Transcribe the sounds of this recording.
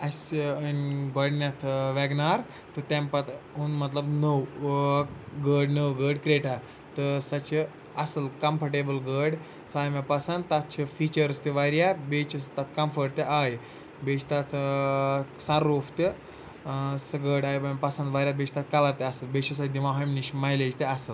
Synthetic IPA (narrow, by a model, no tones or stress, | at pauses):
ɐsənʲɡɔɽnʲat̪ʰʋɛɡnaɾ | t̪ət̪ɛ̃mpat̪unmɐt̪ləbnəw | ɡəɽnəwɡəɖkɾeʈa | t̪əsɐt͡ʃʰe | ɐsəlkɐmpəɾʈebəlɡəɽ | sajmapɐsə̃nd̪t̪at̪̚ʰt͡ʃʰefit͡ɕəɾst̪eʋaɾjabet͡ʃəst̪at̪ʰkɐmfəɾʈt̪eʔaj | bet͡ʃt̪at̪ʰ | sãɾuft̪e | səɡəɽajbampɐsə̃nd̪ʋaɾʲjabet͡ʃʰt̪at̪̚kalaɾt̪easəlbet͡ʃəs̬ad̪imaɦamniɕmajled͡ʑt̪easəl